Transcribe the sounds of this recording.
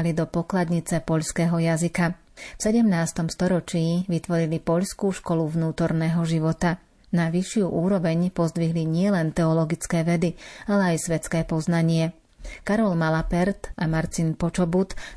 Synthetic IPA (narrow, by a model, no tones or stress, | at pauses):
lid̪ɔpɔklad̪ɲit͡sɛpɔʎskɛːɦɔjazika | fsɛɟɛmnaːst̪ɔmst̪ɔɾɔt͡ʃiːʋit̪ʋɔɾilipɔʎskuːʃkɔluʋnuːt̪ɔɾnɛːɦɔʒiʋɔt̪a | naʋiʃɪuʔuːɾɔʋɛɲpɔzd̪ʋiɦliɲɪɛlɛnt̪ɛɔlɔɡit͡skɛːʋɛd̪ialɛajsʋɛt͡skɛːpɔznaɲɪɛ | kaɾɔlmalapɛɾt̪ʔamaɾt̪inpɔt͡ʃɔbut̪